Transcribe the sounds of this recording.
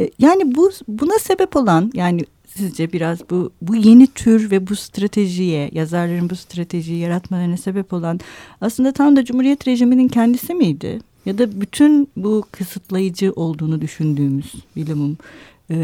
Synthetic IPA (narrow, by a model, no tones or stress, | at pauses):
jaːnibubunase̞bɛpo̞lˠanjaːni | sizd͡ʒɛbiɾazbubuje̞nit̪ʰyɾvɛbust̪ɾat̪ʰe̞ʒijɛjazaɾlˠaɾɯnbust̪ʰɾat̪ʰe̞ʒijɛjaɾat̪malˠaɾɯnase̞bɛpo̞lˠanaslˠɯnd̪at̪ʰamd̪ad͡ʒumhuɾijɛt̪ɾe̞ʒiminincʰɛnd̪isimijd̪ɪ̰ | jad̪abyt̪ʰynbukʰɯsɯt̪ʰlˠajɯd͡ʒɯʔo̞lˠd̪uːnud̪yʃynd̪yːmyz̥bilʲimumː